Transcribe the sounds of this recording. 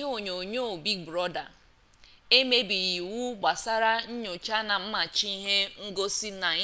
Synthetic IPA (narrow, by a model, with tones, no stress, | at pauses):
o˨ɲo˨ɲo˦˨bi˦k̚bɾɔ˦da̰˨ | e˦me˦bi˨ɣi˨wu˦ɡ͡ba˨sa˦ɾa˦ɲ̩˦ɲo˨t͡ʃa˦na˨m̩˦ma˨t͡ʃi˦i˦ɦe˦ŋ̩˦ɡo˦si˦na˨˦